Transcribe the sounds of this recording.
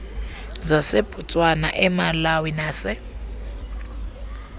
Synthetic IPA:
zasɪb̥ʱut͡sʼwana̰ʔɛmalawinaːsɪ

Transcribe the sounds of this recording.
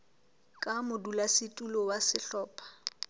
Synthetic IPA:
kʼamʊdulasɪtʼulɔwasɪɬɔːpʼḁ

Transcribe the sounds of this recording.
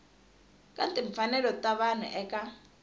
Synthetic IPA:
kʼantʼiɱ̩fanɛlɔtʼaβan̤ṵʔɛkʼa

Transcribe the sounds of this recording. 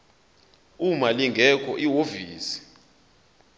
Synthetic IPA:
umaliŋɡʱɛkʰɔʔiwoviːsi̥

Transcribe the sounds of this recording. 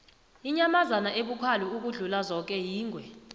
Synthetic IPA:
iɲamazanaʔeɓukʰaluuk̬uɮulazɔk̬ʼɛjiːŋwɛ

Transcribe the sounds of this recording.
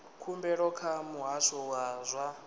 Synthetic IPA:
kʰumbɛɺɔkʰamuɦaʃɔwazʷa

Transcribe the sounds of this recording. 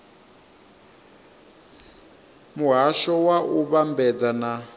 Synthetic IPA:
muɦaʃɔwaʔuβambɛd͡zana

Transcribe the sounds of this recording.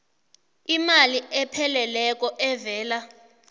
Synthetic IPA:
imaliʔɛpʰɛlɛlɛk̬ʼɔʔɛvɛːla

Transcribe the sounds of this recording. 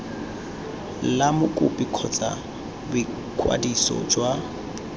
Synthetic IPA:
lamʊkʼʊpʼikʰɔt͡sʼa | bɪ | kʰʼwa̰disɔ̰d͡ʒwa

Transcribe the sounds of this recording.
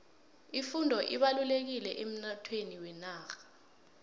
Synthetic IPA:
ifundʱɔʔiɓalulek̬ilɛʔem̩natʰweniwɛnaːxḁ

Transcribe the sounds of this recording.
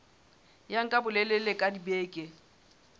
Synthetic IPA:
jaŋ̩kʼabʊlɛlelekʼadibeːkʼɪ

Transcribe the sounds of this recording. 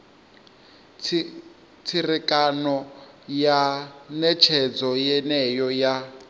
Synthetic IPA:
t͡sʰirikʼanɔ | janɛt͡ʃʰɛd͡zɔjɛnɛjɔja

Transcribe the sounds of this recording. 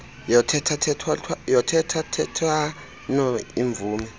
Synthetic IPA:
jɔtʰɛtʰatʰɛtʰatʰwajɔtʰɛtʰatʰɛtʰwa | nɔiɱb̪vuːmɛ

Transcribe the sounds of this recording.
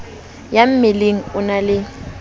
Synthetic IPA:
jam̩mɪleŋ̩ʊnalɪ

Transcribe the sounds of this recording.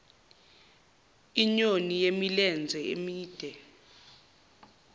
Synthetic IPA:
iɲonijemilɛnd͡zʱɛḛmiːd̥ʱɛ

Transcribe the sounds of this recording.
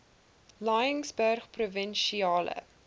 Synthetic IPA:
lɑjəŋsbœrχpruvənʃiɑːlə̰

